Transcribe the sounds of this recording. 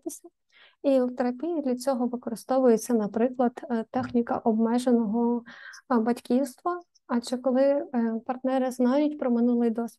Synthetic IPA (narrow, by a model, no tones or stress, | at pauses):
t̪ɪsʲɐ | iwt̪eɾɐpʲijid̪lʲɐt͡sʲɔɦɔʋɪkɔɾɪst̪ɔʋʊjet͡sʲːɐnɐpɾɪklˠɐd̪̥t̪ːɛxnʲikɐ̰ʔɔbmɛʒenɔɦɔ | bɐtʲkʲiwst̪ʋɐ | ɐt͡ʃɛkɔlˠɪpɐrt̪nɛɾɪznɑjʊtʲpɾɔmɪnulˠɪjd̪ɔsʲʋʲ